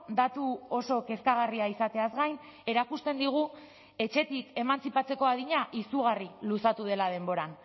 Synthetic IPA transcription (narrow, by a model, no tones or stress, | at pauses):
d̪at̪uo̞so̞ke̞skaɣ̞ariaisat̪e̞azɣajn | e̞ɾakust̪e̞nd̪iɣ̞u | e̞t͡ʃe̞t̪ike̞mant͡sipat͡se̞ko̞aðiɲaʔisuɣ̞arilusat̪uð̞e̞lað̞e̞mbo̞ɾan